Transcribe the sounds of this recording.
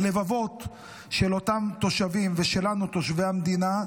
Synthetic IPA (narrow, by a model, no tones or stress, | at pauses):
le̞vavo̞t̪ | ʃelo̞t̪amt̪o̞ʃavimveʃe̞lanut̪o̞ʃve̞jamd̪ina